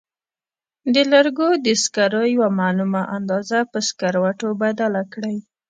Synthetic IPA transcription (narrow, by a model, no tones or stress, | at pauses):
d̪əlaɾɡod̪əskaɾojwamanumaʔand̪ɑzapəskaɾwaʈobad̪alakɽaj